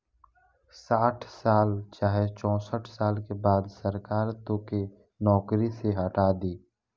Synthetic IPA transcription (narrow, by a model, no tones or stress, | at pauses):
saːʈʰsaːlt͡ʃaːɦet͡ʃɔ̃ːsəʈʰsaːlkebaːd̪səɾkaːɾt̪õke | nɔːkɾiseɦəʈaːd̪iː